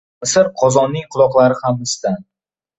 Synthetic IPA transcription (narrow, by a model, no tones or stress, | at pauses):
sɪɾqʰɒzɒnːɪŋqʰʊlˠɒqlˠaɾɪhamɪst̪an